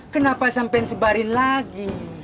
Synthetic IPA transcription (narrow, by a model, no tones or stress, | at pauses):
kənapasampɛnsəbaɾinlaɡi